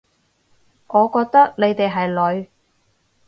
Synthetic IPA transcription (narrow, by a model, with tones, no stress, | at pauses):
ŋʔɔː˨˧kɔː˧k̚t̪ɐ˥k̚ne˨˧jt̪e˨jɦɐ˨jlɵ˨˧ɥ